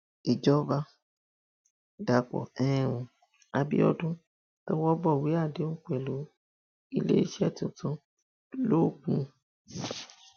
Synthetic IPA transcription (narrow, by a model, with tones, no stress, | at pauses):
i˨d͡ʒɔ˦ba˦ | da˨k͡pɔ̰˨ɛ˦ɛ̃˦˨ɾ̃ũ˧ | a˧bḭ˦ɔ˦dũ˦ | kɛ˦wɔ˦bɔ˦˨wi˨˦a˦˨de˨˦ũ˦k͡pɛ˨lo˨˦ | ḭ˦lḛ˦i˦ʃɛ˦˨tũ˨tũ˦ | lo˦˨k͡pũ˧˦